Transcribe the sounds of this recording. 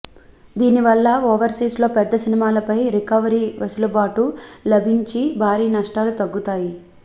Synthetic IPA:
d̪iːniʋɐlːɐoːʋɐɾsiːslo̞ːpɛd̪ːɐsinimaːlɐpɐjɾikɐʋɐɾiːʋɐsulɐbaːʈulɐbʱiɲt͡ʃibʱaːɾiːnɐʂʈaːlut̪ɐɡːut̪aːji

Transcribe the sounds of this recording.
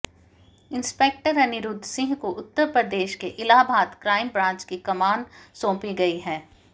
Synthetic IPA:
ɪnspeːk̚ʈəɾɐnɪɾʊd̪sɪ̃ŋɡkoʔʊt̪ːəɾpɾəd̪eːʃkeʔɪlaːbʱaːt̪kɾaːɪmbɾãːt͡ʃkikɐmaːnsõːpiɡɐiɦɛ̃ː

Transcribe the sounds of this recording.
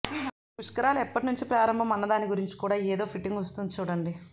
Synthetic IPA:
puʂkɐɾaːluɛpːɐʈinuɲt͡ʃipɾaːɾɐmbʱɐmɐnːɐd̪aːniɡuɾiɲt͡ʃi̥kuːɽaːeːd̪o̞ːpʰiʈːiŋɡʋɐst̪und̪ut͡ʃuːɽɐɳɖi

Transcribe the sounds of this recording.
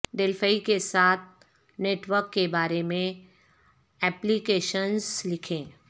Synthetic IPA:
ɖɪlfəikesaːt̪̚ʰ | neːʈʋəɾkːebaːɾemẽ | ɛːplikeːʃənzlɪkʰẽː

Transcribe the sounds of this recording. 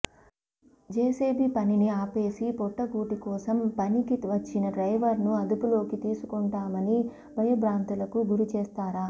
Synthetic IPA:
d͡ʒeːseːbipɐniniaːpe̞ːsipɔʈːɐkuːʈikɔːsɐmpɐnikiʋɐt͡ʃːinɐɖɾɐjʋɐɾnuɐd̪upulo̞ːkit̪iːsukɔɳʈaːmɐni | bɐjɐbɾaːnt̪ulɐkuɡuɾut͡ʃeːst̪aːɾaː

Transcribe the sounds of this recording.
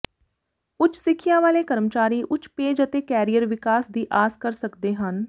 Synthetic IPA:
ʊt͡ʃsɪkʰijãːʋaːleːkəɾmət͡ʃaːɾiːʔʊt͡ʃpeːd͡ʒət̪eːkɛːɾijəɾʋɪkaːsd̪iːʔaːskəɾsəkd̪eːɦən

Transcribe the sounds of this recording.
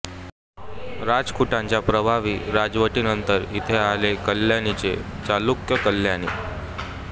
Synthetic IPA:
ɾad͡zkuʈãɲt͡ɕjapɾəbʱaʋiːɾad͡zʋəʈiːnənt̪əɾit̪ʰealekəljanit͡set͡ɕalukjəkəlːjanḭː

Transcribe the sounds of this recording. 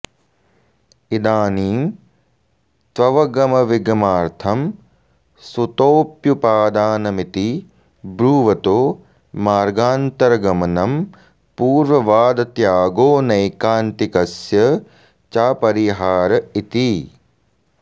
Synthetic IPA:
id̪aːniːm | t̪ʋɐʋɐɡɐmɐʋiɡɐmaːɾt̪ʰɐm | sut̪oːpjupaːd̪aːnɐmit̪i | bɾuːʋɐt̪oː | maːɾɡaːnt̪ɐɾɐɡɐmɐnɐm | puːɾʋɐʋaːd̪ɐt̪jaːɡoːnɐjkaːnt̪ikɐsjɐ | t͡ʃaːpɐɾiɦaːɾɐit̪i

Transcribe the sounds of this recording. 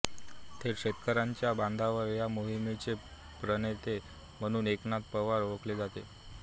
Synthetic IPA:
t̪ʰeɾɕet̪kəɾaɲt͡ɕjaband̪ʱaʋəɾjamoɦimet͡se | pɾənet̪e | m̤əɽ̃uːneknat̪̚pəʋaɾʋəkled͡zat̪e

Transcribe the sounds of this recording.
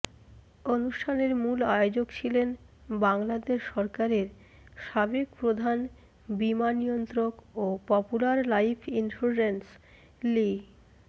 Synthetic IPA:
onuʃʈʰaneɾmulaeod͡ʑokt͡ɕʰilen | baŋlad̪eʃːɔɾkaɾeɾ | ʃabekpɾod̪ʱan | bimanijont̪ɾokopɔpulaɾlajpʰinsuɾd͡ʑens | li

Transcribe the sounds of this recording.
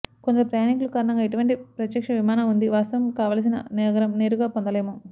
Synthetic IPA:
kond̪ɐɾupɾɐjaːnikulukaːɾɐɳɐŋɡaːeʈ̬uʋɐɳʈipɾɐt̪jɐkʂɐʋimaːnaund̪iʋaːst̪ɐɐmkaːʋaːls̬inɐ̰nɛːɡɐɾɐmne̞ːɾuɡaːpond̪ɐlejɐmo

